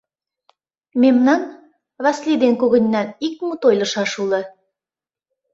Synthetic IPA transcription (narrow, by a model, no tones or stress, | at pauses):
memnɑn | βɑslʲid̪enkuɣə̆nʲːɑnik̚mut̪ojlə̆ʃɑʃulə̆